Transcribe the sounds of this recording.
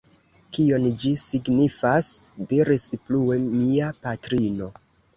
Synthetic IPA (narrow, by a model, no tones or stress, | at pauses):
kio̞nd͡ʒisiɡnifasdeɾispluemiapatɾino̞